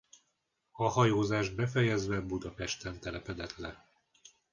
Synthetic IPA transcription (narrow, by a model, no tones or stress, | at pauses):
ɒhɒjoːzaːʒd̪̚bɛfɛjɛzʋɛbud̪ɒpɛʃt̪ɛnt̪ɛlɛpɛd̪ɛt̪lɛ